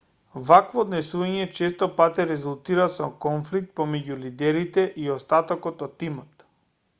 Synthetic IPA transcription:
vakvɔːd̪nɛsuvaɲɛt͡ʃɛst̪ɔpat̪ɛɾɛzulˠt̪iɾasɔkɔnflik̚t̪̚pɔmɛɟulid̪ɛɾit̪ɛʔiɔst̪at̪ɔkɔt̪ɔt̪ːimɔt̪

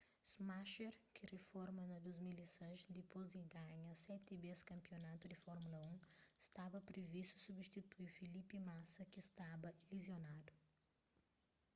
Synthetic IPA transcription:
smaʃeɾkʰɪrefɔɾmɐnɐd̪uzmilisɐ̃ʃd̪ɪpozd̪ɪɡaɲɐsɛt̪ibeskɐ̃mpionat̪ud̪ɪfɔɾmulɐũɪst̪abɐpɾevisusubist̪it̪uiɾfilipimasɐkɪst̪abɐilizjonad̪ʊ

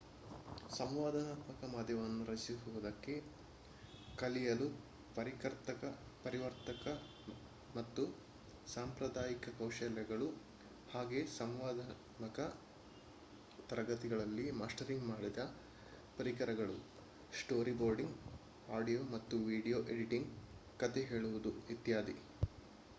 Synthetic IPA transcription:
sɐmʋaːd̪ɐnaːt̪mɐkɐmɐd̪ʱjɐʋɐnːuɾɐsiɦuʋud̪ɐkːe̞ | kɐlijɐlu | pɐɾikɐɾt̪ɐkɐ | pɐɾiʋɐɾt̪ɐkɐ | mɐt̪ːu | saːmpɾɐd̪aːjikɐkɐwʃɐljɐɡɐɭu | haːɡe̞ːsɐmʋaːd̪ɐ | nɐkɐ | t̪ɐɾɐɡɐt̪iɡɐɭɐlːimaːsʈɐɾiŋɡmaːɽid̪ɐ | pɐɾikɐɾɐɡɐɭu | sʈo̞ːɾiboːɾɖiŋɡ | aːɖijoːmɐt̪ːuʋiːɖijoːʔeɖiʈiŋɡkɐt̪eɦe̞ːɭuʋud̪uʋit̪jaːd̪i

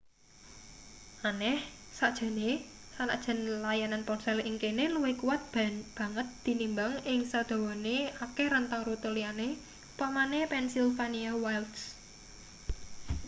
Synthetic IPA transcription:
ʔanɛhsad̥ʒ̥a̤nesana̰ʔd̥ʒ̥ə̤nlajananpɔnsɛliŋkeneluwɪkuwat̪̚bb̥ä̤ŋət̪̚d̪̥i̤nimbaŋɪŋsad̪̥ɔ̤wɔneakeɾənt̪aŋrut̪əliane | pamanepɛnsilfaniawajlt̪s

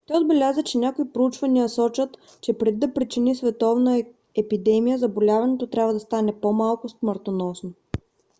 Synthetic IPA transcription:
t̪ɔjod̪bɛlʲazət͡ʃɛnʲakoipɾout͡ʃvɐnijəsɔt͡ʃət̪ | t͡ʃɛpɾɛd̪id̪ɐpɾit͡ʃinisvɛt̪ɔvnə | ɛpid̪ɛmijəzɐbolʲavɐnɛt̪ot̪ɾʲabvəd̪ɐst̪anɛpomalˠkʊsməɾt̪onɔsno

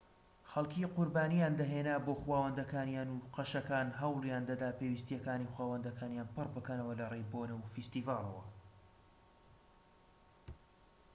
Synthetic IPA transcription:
xɐlˠkiqʊɾbaːnijaːnd̪ɐɦeːnaːboxwaːwɐnd̪ɐkaːnjaːnuqɐʃɐkaːnɦɐwlˠjaːnd̪ɐd̪aːpewist̪ijɛkaːnixwaːwɐnd̪ɐkʰaːnjanpɨrbɨkɐnɐwɐlɐrejboːnɐwfist̪ivaːlˠɐ̰wɐ̰

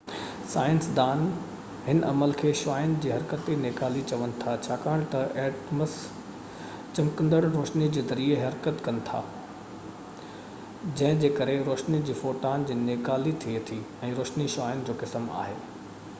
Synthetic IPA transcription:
saːɪ̃nsd̪aːn | ɦɪnʔɐməlkʰeːʃaːjʊnd͡ʑiːɦɐɾkət̪ineːkaːlit͡ɕɐʋənɪ̆t̪ʰat͡ɕʰaːkaːɽ̃t̪ɐeːʈməs | t͡ɕɐmkə̃nd̪əɽɾoːʃnid͡ʑeːzɐɾieɦɐɾkət̪kɐnɪ̆t̪ʰa̰ː | d͡ʑɐ̃ɦɪ̃d͡ʑeːkɐɾeɾoːʃnid͡ʑiːfoːʈaːnd͡ʑiːneːkaːlit̪ʰiet̪ʰi | ɛ̃ːɾoːʃniʃaːɪnɪ̆d͡ʑoːkɪsma̰ːɦeː

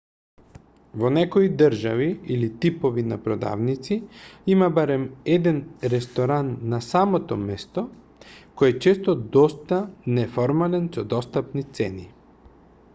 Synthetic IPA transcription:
vonɛkoid̪əɾʒaviilit̪ipɔvinapɾɔd̪a̰vnit̪siimabaɾɛmɛd̪ɛnɾɛst̪oɾanːasamot̪ɔmɛst̪ɔ | kɔjɛt͡ʃɛst̪ɔd̪ɔst̪anɛfɔɾmalɛnsɔd̪ɔst̪apnit̪sɛni

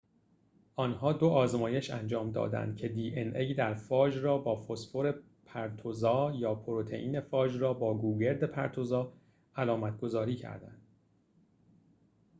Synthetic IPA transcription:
ʔɒːnhɒːd̪oʔɒːzmɒːje̞ʃæ̰nd͡ʒɒːmd̪ɒ̰ːd̪æ̰nd̪̥̚cʰe̞d̪iːʔenʔejd̪æɾfɒːd͡ʒrɒːbɒːfosfoɾe̞ | pʰæɾt̪ʰozɒːjɒːpʰoɾot̪ʰe̞̰ʔiːne̞fɒːd͡ʒrɒːbɒːɡuːɡe̞ɾd̪e̞pʰæ̰ɾt̪ʰozɒː | ælɒːmæt̪̚ʰɡ̥o̞zɒːɾiːcʰæ̰ɾd̪æ̰nd̪̥

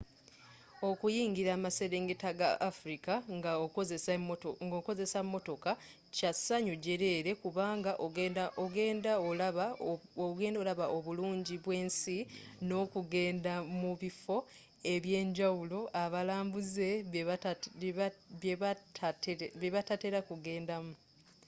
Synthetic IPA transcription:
o̞kujiːŋɡiɾaːmase̞ɾeːŋɡetaɡa̰ʔafuɾikaŋɡazesŋɡoko̞ze̞samːo̞to̞ka | casaɲoɟe̞ɾe̞ɾe̞kuβaːŋɡaʔoɡeːndaol | oɡe̞ːndolaβaʔoβuluːɲɟiβwe̞ːnsino̞ːkuɡe̞ːndamuβifo̞ | e̞βje̞ːɲɟawulo̞ʔaβalaːmbuze̞ | etβeβatate̞ɾakuɡe̞ːndamu

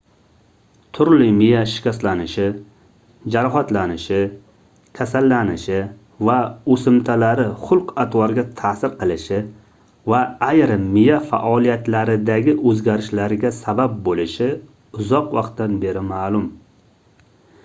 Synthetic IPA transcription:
t̪ʰʊɾlɪmɪjaʃɪ̥kʲast̪lanɪʃɪ | d͡ʒaɾɒɦat̪lanɪʃɪ | kʲʰasalːanɪʃɪ | vaosɪmt̪ʰalaɾɪχʊlˠqat̪wɒɾɡʲat̪ʰasɪɾqʰɨlˠɪʃɪ | vaajɾɪmɪjafa̰ʔɒlˠijat̪laɾɪd̪aɡʲɪʔɵzɡʲaɾɪʃlaɾɪɡʲasabap̚bolɪʃɪ | ʊzɒqwɑqt̪danbe̞ɾɪmaːlˠʊm

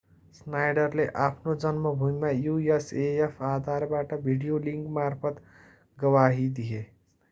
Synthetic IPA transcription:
snajɖʌɾleʔapʰnod͡zʌnmʌbʱujmajueseepʰad̪ʱaɾbaʈʌbʱiɽijoliŋkmarpʰʌt̪ | ɡʌwaɦid̪ie

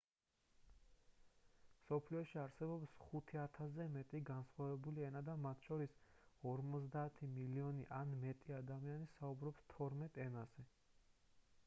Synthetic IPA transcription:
msɔpʰliɔʃiaɾsɛbɔpsχut̪ʰiat̪ʰasɛmɛt̪ʼiɡansχwavɛbuliɛnad̪amat̪ʰʃɔɾisɔɾmɔt̪zd̪aːt̪ʰimiliɔniʔanmɛt̪ʼiad̪amianisaubɾɔpst̪ʰɔɾmɛt̪ʼɛnaz̥ɛ

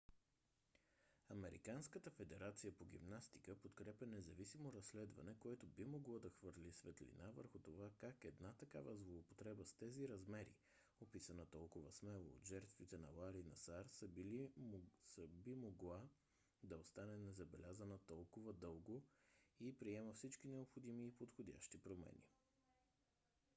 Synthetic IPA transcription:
ɐmɛɾḭkanskət̪əfɛd̪ɛɾat̪sijəpoɡḭmnast̪i̥kəpot̪kɾɛpʲənɛzɐvisimoɾɐsːlɛd̪vɐ̰nɛkoɛt̪obimoɡlˠɔd̪ɐxvɤɾlʲisvɛt̪lḭnavə̰ɾxʊt̪ovakakɛd̪nat̪ɐkavəzlˠoːpo̥t̪ɾɛbəst̪ɛziɾɐzmɛɾḭ | opisɐnət̪ɔlˠkʊvəsmɛlˠo̰ːd̪ʒɛɾt̪vit̪ɛnɐ̰lˠaɾinɐ̰saɾsəbilisəbimoɡlˠa | d̪ɐost̪anɛnɛzɐbɛlʲazənət̪ɔlˠkʊvəd̪ɤlˠɡoipɾiɛməfsit͡ʃkinɛopxod̪imiːpot̪xod̪ʲa̰ʃt̪ipɾomɛ̰nʲḭ

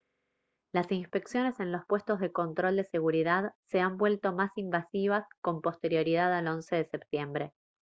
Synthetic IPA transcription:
lasinspe̞ksjo̞ne̞se̞nlo̞spwe̞st̪ozðe̞ko̞nt̪ɾo̞ld̪e̞se̞ɣuɾiðaðseambwe̞lt̪o̞masimbasiβ̞asko̞mpo̞st̪e̞ɾjo̞ɾið̞aðalo̞nse̞ðesep̚t̪je̞mbɾe

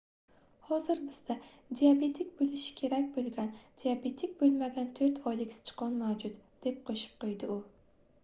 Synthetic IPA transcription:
hɒzɪɾbɪz̥d̪a | d̪iabe̞t̪ʰik̚ʲbolɪʃɪ̥kʲʰe̞ɾakʲbolˠɡʲand̪̥iabe̞t̪ʰɪk̚ʲbolˠmaɡʲant̪ʰoɾt̪ʰɒjlɪkʲsɪ̥t͡ʃʰɨ̥qʰɒnmawd͡ʒʊt̪d̪̥e̞p̚qʰoʃɪ̥p̚qʰojd̪ɪʊ

